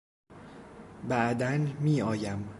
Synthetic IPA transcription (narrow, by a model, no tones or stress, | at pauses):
bæʔd̪ænmiːɒːjæm